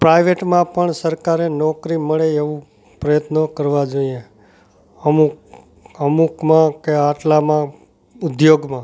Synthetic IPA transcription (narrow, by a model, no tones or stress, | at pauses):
pɾajʋeʈmãpəɳsəɾkaɾenɔkɾiməɭeeʋũ | pɾəjət̪nəkəɾʋad͡ʒoie | əmu | əmukmãkeaʈlamã | ʊd̪joɡmã